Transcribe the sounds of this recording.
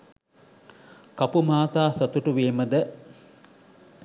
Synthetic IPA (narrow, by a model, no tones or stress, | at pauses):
kapumaːt̪aːsɐt̪uʈuʋeːməd̪ə